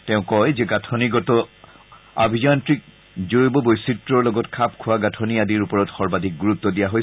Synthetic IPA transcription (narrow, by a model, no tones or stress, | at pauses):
tɛʊ̃kɔjzɛɡatʰɔniɡɔtɔ | a̰bʱid͡ʒantɹik̚ | zoɹibɔbojsitɹɔɹlɔɡɔtkʰapkʰʊwaɡatʰɔniadiɹupɔɹɔtxɔɹbadʱik̚ɡuɹut̪ːɔdijaɦoj